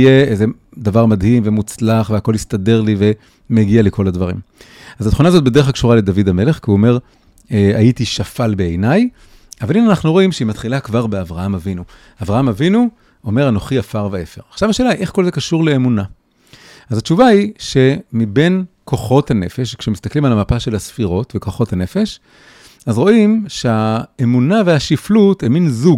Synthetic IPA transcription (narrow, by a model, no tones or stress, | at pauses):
jeejze | d̪avaʁmadhimve̞mut͡slaχveako̞list̪ade̞ʁlive̞ | meɡialekʰo̞ladvɐʁḭm | azat̪χunaːzo̞t̪̚bed̪e̞e̞χakʃuʁaled̪avidame̞le̞χkiuome̞ʁ | ea̰jitiʃafalbeejnaj | avalinanaχnuʁo̞imʃeimat̪χilakvaʁbeavʁahamavinu | aːvʁahamavinu | ome̞ʁano̞χiafaʁveefeʁaχʃavaʃe̞ːlaiʔe̞χko̞lzekaʃuʁle̞ːmuna | azat͡ʃuvaiʃe̞mibe̞nko̞χo̞thane̞fe̞ʃkʃemist̪aklimalamapaʃelasfiʁo̞tve̞ko̞χo̞thane̞fe̞ʃ | azʁo̞imʃeaemunaveaʃiflutemːinzuɡ